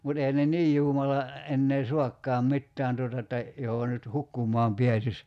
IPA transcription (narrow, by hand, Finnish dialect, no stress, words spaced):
mut ehæn ne niːj juːmɑlɑ enːeː suɑkːɑːm mitːæːn tuotɑ etːæ joho nyt hukːumˑɔɑm piæsis